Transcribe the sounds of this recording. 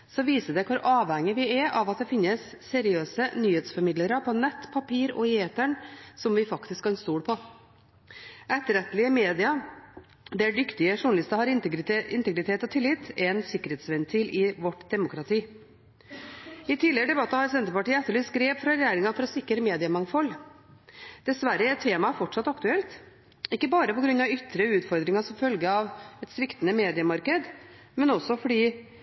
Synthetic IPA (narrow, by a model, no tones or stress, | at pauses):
sɔʋiːsəd̪ɛkʰʋʊɾʔɑːʋhɛŋːəʋɪæʔɑʋɑt̪̚d̪ɛfɪnːəsːɛɾɪøːsənyːheːt̪sfɔɾmɪd̪ləɾəpʰɔnɛt̪ːpʰɑpʰiːɾɔ̰eːt̪əɳsɔmʋɪfɑkt̪ɪskhɑnst̪uːɽpʰɔ | ʔɛt̪ːəɾɛt̪ːlɪəmeːd̪ɪɑ | d̪ɛɖʏkt̪ɪəʂʊɳɑlɪst̪əhɑɾɪɪnt̪əɡɾɪt̪ʰeːt̪ɔt̪ʰɪlːɪt̪ɛnsɪkːəɾheːt̪sʋɛnt̪ʰiːlʔɪʋɔʈːd̪ɛmʊkɾɑt̪ʰiː | ɪt̪ʰɪːləəɖ̪ɛbɑt̪ːəhɑɾsɛnt̪əpɑʈiːəɛt̪ːəɭyːskɾeːʋfɾɑɾjæːɾɪŋɑfɔɾɔsɪkːəɾmeːd̪ɪəmɑŋfɔlː | d̪̥ɛsʋæɾəæɛt̪ʰːeːmɑfɔʈʂɑt̪ːɑkt̪ʉɛlt̪ | ɪkːəbɑːɾəpɔɡɾʉnːɑʋʏt̪ːɾəʉːt̪fɔɾd̪ɾɪŋɑʂɔmfœlɡəɑʋɛt̪sʋɪkt̪ənəmeːd̪ɪəmɑɾkəd̪ | mɛnɔsːɔfɔɖiː